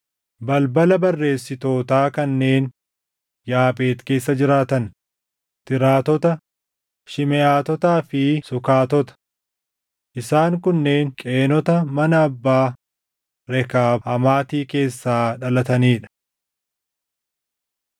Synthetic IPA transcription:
bɐlbɐlɐbɐrːe̞ːsːɪt̪o̞ːt̪aːkɐnːe̞ːn | jaːpʼe̞ːt̪ke̞ːsːɐd͡ʒɪɾaːt̪ɐn | t̪ɪɾaːt̪ɔt̪ɐ | ʃɪmɛʔaːt̪ɔt̪aːfɪsʊkaːt̪ɔt̪ɐ̥ | ʔɪsaːŋkʊnːe̞ːŋkʼe̞ːnɔt̪ɐmɐnɐːbːaː | ɾɛkaːhɐmaːt̪iːke̞ːsːaːᶑɐlɐt̪ɐniːᶑɐ̥

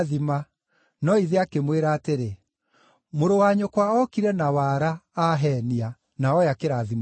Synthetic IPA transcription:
ðima | nɔiðeakemweɾaːteɾe | moɾowaɲokwaɔkiɾɛnawaɾaːɦɛnia | naɔjakeɾaðim

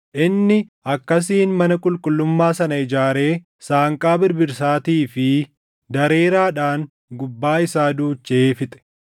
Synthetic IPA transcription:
ʔɪnːɪʔɐkːɐs̬iːnmɐnɐkʼʊlkʼʊlːʊmːaːsɐnɐɪd͡ʒaːɾe̞ː | saːŋkʼaːbɪɾbɪɾsaːt̪iːfɪ | d̪ɐɾe̞ːɾaːᶑaːŋ | ɡʊbːaːɪsaːd̪uːt͡ʃːeːfɪt̪ʼɛ̥

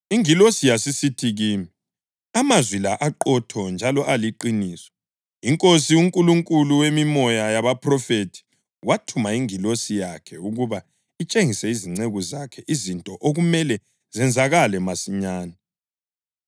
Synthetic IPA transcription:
iŋilosijasisitʰiɣiːmi | amazwilaʔaǃɔtʰɔnd͡ʒʱalɔʔaliǃiniːsɔ̥ | iŋkʼosiuŋkʼuluŋkʼuluwemimɔjajaβapʰrɔfetʰi̥ | watʰumaiŋilosijakʰɛuɣuβa | it͡ʃʼeŋisɛiziŋ͡ǀeɣuzakʰɛʔizintʼɔʔoɣumɛlɛ | zɛnd͡zʱaɣalɛmasiɲaːna

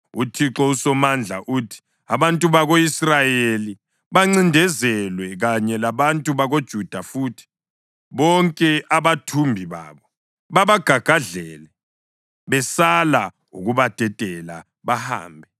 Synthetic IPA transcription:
utʰiǁɔusɔmand͡ɮʱa̰ʔuːtʰi̥ | aβantʼuβaɣoisrajeli | βaŋ͡ǀindʱɛzɛlwɛɣaɲɛlaβantʼuβaɣod̥ʒ̥ʱud̥ʱafuːtʰi̥ | βɔŋkʼɛʔaβatʰumbʱiβa̰ːβɔ | βaβaɡ̥ʱaɡ̥ʱaɮɛːlɛ | βɛsala | ṵɣuβad̥ʱɛtʼɛla̰ | βaha̰ːmbʱɛ

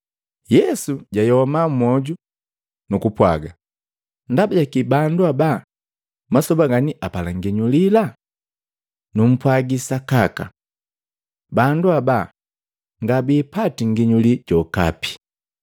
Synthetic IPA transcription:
jɛsuɟajɔmamɔɟu | nukupwa̰ɡa | ndabaɟakibanduaba | masɔbaɡaniʔapalaŋɡiɲulila | num̩pwaɡisakaka̰ | banduaba | ŋɡabipatiŋɡiɲuliɟɔka̰pi̥

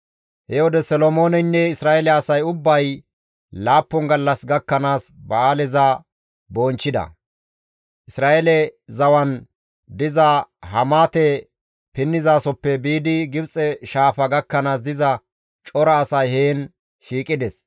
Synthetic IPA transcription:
hɛwɔd̪ɛsɔlomo̞ːnɛnːɛɪsɾaːʔɛlɛɐsɐjʊbːɐj | laːpːɔŋɡɐlːɐsɡɐkːɐnaːsbɐaːlɛzɐ | boːnt͡ʃːɪd̪ɐ̰ | ʔɪsɾaːʔelɛzɐwɐn | d̪ɪzɐhɐmaːt̪ɛ | pɪnːɪzaːsɔpːɛbiːd̪ɪɡɪbt͡sʼɛʃaːfɐɡɐkːɐnaːs̬d̪ɪzɐ | t͡ʃʼɔɾɐːsɐjheːn | ʃiːkʼɪd̪ɛs

